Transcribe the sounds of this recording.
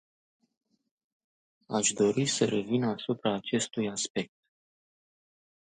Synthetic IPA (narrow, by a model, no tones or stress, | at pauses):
aʃd̪o̞ɾisəɾe̞vinasupɾaːt͡ʃe̞st̪ujaspe̞k̚t̪̚